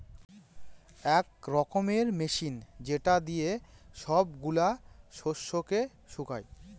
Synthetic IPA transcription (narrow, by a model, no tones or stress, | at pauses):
ɛkɾɔkomeɾmeʃind͡ʑeʈad̪ijeʃɔbɡulaʃoʃːoke | ʃuka̰j